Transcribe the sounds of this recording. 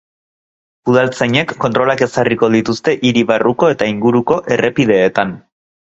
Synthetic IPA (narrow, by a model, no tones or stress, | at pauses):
uðalt͡seɲe̞kːont̪ɾo̞lake̞sariko̞ð̞it̪ust̪e̞ʔiɾiβaruko̞e̞t̪aiŋɡuɾuko̞ʔe̞re̞pið̞e̞ːt̪an